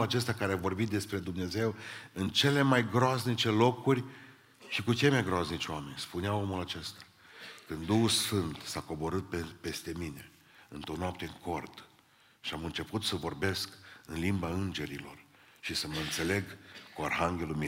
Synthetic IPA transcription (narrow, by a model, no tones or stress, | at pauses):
lat͡ʃe̞st̪akaɾeavo̞rbit̪̚d̪e̞spɾe̞d̪umne̞ze̞wɨnt͡ʃe̞le̞majɡɾoaznit͡ʃe̞lo̞kurʲ | ʃikut͡ʃe̞majɡɾoaznit͡ʃoame̞nʲspuneao̞mulat͡ʃe̞st̪ḁ | kɨnd̪d̪uhulsfɨnt̪sako̞bo̞ɾɨt̪̚pepe̞st̪e̞mine̞ | ɨnt̪onowapt̪eɨŋko̞rd̪ | ʃiamɨnt͡ʃe̞put̪səvo̞rbe̞skɨnlimbaɨnd͡ʒe̞ɾilo̞̰r | ʃisəməɨnt̪se̞le̞ɡkoarɦaŋɡʲe̞lumi